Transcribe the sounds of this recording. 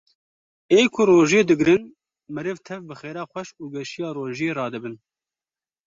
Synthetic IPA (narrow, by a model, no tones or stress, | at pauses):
eːkʰʊroːʒeːd̪ɨɡɾɨn | mɨɾɨvt̪ʰɛvbɨxeːɾɑːxʷɛʃuːɡɛʃijɑːroːʒjeːɾɑːd̪ɨbɨn